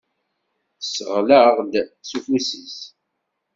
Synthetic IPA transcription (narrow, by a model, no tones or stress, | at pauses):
səʁləʁd̪sufusis